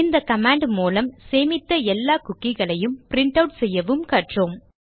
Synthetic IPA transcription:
ɪnd̪ɐkɐmaːɳɖmuːlɐmseːmɪt̪ːɐɛlːaːkʊkːɪɣɐɭɐjɯmpɾɪɳʈɐʊʈsɛjːɐʋɯmkɐʈroːm

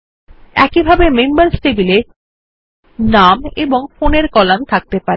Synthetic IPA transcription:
ɛkibʱabemembaɾsʈebile | nameboŋfoneɾkɔlamt̪ʰak̚t̪epaɾe

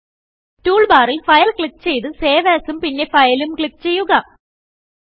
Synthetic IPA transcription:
tuːɭbaːrilfɐjɐlkɭip̚ːt͡ɕe̞jt̪ɨse̞ːʋeːsumpinːe̞fɐjɐlumkɭipːt͡ɕe̞jːuɣɐ

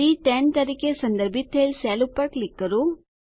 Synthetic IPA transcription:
iʈenʈ̪ɐɾikesɐnd̪ɐɾbʱit̪ɦelsɛːlupːɐɾklikːɐɾu

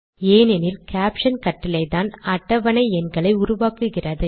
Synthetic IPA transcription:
eːnɛnɪlkaːpʂɐnkɐʈːɪlɐɪðaːnɐʈːɐʋɐnɐɪɛnɡɐɭɐɪʊɾʊʋaːkɯɣɪrɐðɯ

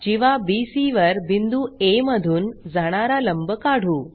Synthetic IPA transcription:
d͡ʑiʋ̤abisiʋəɾbind̪uːeməd̪ʱuːnd͡zaɽ̃aɾaləmbəkaɽ̤uː

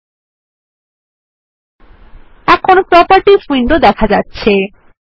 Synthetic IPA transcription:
ɛkʰonpɾɔpəɾʈifiɳɖod̪ɛkʰad͡ʑatːɕʰe

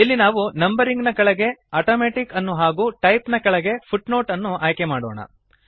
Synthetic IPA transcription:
ilːinaːʋunɐmbɐɾiŋɡnɐkɐɭɐɡe̞aːʈoːmeːʈikɐnːuɦaːɡuːʈɐjpnɐkɐɭɐɡe̞pʰuʈno̞ːʈɐnːuʔaːjkemaːɽo̰ːɳɐ̰

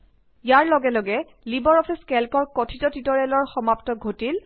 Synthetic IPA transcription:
jaɹlɔɡɛlɔɡɛ | libɔɹɔpʰiskɛlkɔɹkɔtʰitɔtitɔɹɛlɔɹxɔmaptɔɡʱotil

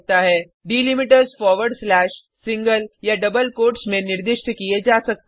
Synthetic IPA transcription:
t̪aɦɛ | ɖiːlɪmɪʈəɾzfɔːɾʋəɾɖslɛːʃ | sɪ̃ŋɡəljaɖɐbəlkoːʈsmẽnɪɾd̪ɪʃʈkied͡ʒaːsɐk̚t̪

